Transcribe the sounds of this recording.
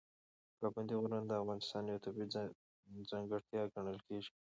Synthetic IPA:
paband̪iɣʊɾmand̪əːfɣɑnɪst̪ɑnjawt̪ʰʊbi | zaŋɡəɽt̪jɑɡɐɳəlkʰeʒi̥

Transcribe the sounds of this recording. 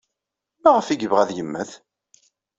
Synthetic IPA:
mæʁəfiɡəvʁæðjəmːæθ

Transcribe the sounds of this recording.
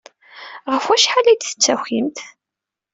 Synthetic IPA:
ʁəfwæʃħalæjd̪θə̥t͡sːæximt̪

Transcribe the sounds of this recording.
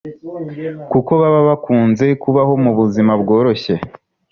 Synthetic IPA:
kuko̞βaβaβakuːnze̞kuβaɦo̞muβuzimabɡo̞ːɾo̞çe̞

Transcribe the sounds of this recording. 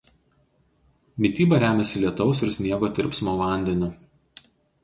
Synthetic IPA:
mʲɪt̪ʲiːbɐɾʲæːmʲɛsʲɪlʲiɛt̪ɔʊsɪɾsʲnʲiɛɡoːt̪ʲɪɾʲpsmoːʋɑˑnʲd̪ʲɛnʲʊ

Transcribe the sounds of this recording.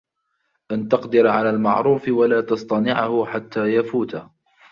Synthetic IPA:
ʔant̪ɑqd̪ɪɾʕalaːlma̰ʕɾˤuːfɪwalaːt̪ɑsˤt̪ˤɑnɪʕahʊħat̪ːaːjafuːt̪a

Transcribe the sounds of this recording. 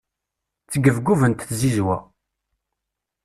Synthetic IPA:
t͡sːəɡəvɡuvənt̪θzizwæ̰

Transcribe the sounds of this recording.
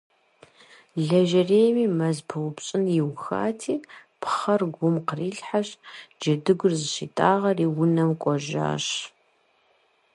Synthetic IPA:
ɮɐʒɐreːjmiːmɐzpʰɨwʷʊpɕʼɪnjɪwxa̰ːtʰiːpʰχɐrɡʷʊmqəriːɬħaɕd͡ʒɐdɨɡʷʊrzɨʃitʼaːʁɐriːwʊnɐmkʷʼɔʒa̰ːɕ

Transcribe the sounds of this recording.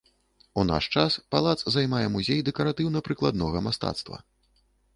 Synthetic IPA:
una̰ʂt͡ʂaspalˠat̪szajmajɛmuzʲejd̪ɛkɐɾat̪ɨwnɐpɾɨklˠad̪nɔɣɐmast̪a̰t̪st̪vɐ̰

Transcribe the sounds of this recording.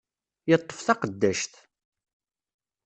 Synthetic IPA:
jət̪ˤːə̥fθɑqəd̪ːæʃθ

